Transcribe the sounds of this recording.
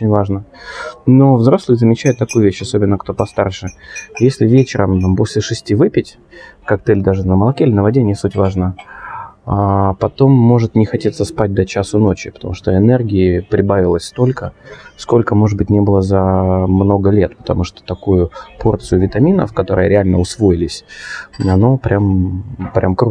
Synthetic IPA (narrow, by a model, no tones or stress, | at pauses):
ot͡ɕɪnʲvaʐnəno̞vzɾo̞slˠɨjzəmʲɪt͡ɕæjɪʊt̪ːɐkujʊvʲeɕːɐso̞bʲɪnːəkt̪o̞pɐst̪arʂɨjesʲlʲɪvʲet͡ɕɪɾəmamposʲlʲɪʂɨsʲtʲivɨpʲɪtʲ | kak̚t̪ɨlʲd̪aʐɨnəməlˠɐkʲeɪlʲɪnəvɐdʲenʲɪsutʲvaʐnə | apɐt̪o̞mːo̞ʐɨt̪nʲɪxɐtʲit̪səspat̚ʲd̪ɐt͡ɕasəno̞t͡ɕɪ̰pət̪ɐmuʂt̪oɪnɛrɡʲɪɪpɾʲɪbavʲɪlˠəsʲst̪o̞lʲkəsko̞lʲkəmo̞ʐɨd̪̚bɨtʲnʲebɨlˠəzɐmno̞ɡəlʲe̞t̪pə̥t̪ɐmuʂt̪o̥t̪ɐkujʊpʰo̞rt̪sɨjʊvʲɪt̪ɐmʲinə̰fkɐt̪o̞ɾəjəɾʲɪalʲnəʊsvo̞ɪlʲɪsʲɐno̞pɾʲampɾʲʔamkɾu